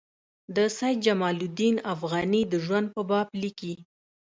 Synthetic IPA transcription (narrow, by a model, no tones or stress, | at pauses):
d̪əsajt̪̚d͡ʒamɑlud̪inafɣɑnid̪əʒwand̪̚pəbɑbliki